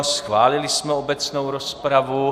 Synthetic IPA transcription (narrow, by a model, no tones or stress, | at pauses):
sxvaːlɪlɪsmɛobɛt͡snowɾospɾavu